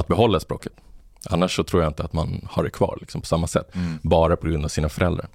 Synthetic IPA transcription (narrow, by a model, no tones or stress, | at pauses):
at̪̚bɛɦɔlːaspɾo̰ːkə̥t̪ | ʔa̰nːaʂːɔt̪ʰɾuːjaɪnt̪əat̪manhaɖɛkʰvɑ̰ːɾɭɪksɔmpʰɔ̥samːasɛt̪ːbɑːɾapʰɔɡɾɵnd̪avsiːnafœɾɛld̪ɾa̰ɾ